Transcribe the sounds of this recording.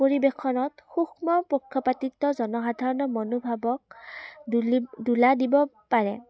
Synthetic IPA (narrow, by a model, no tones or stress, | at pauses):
poɹibekʰɔnɔtxuxmɔpokʰːɔpatitːɔzɔnɔxadʱaɹɔnɔmonobʱabɔk | duladibɔ | paɹɛ